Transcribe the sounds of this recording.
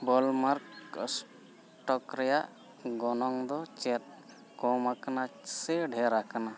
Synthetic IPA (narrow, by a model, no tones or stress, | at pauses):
bɔlmaɾks | ʈɔkɾɛjaʔ | ɡɔnɔŋd̪ɔt͡ʃɛt̪̚ | kɔmakanasɛɖʱɛɾakana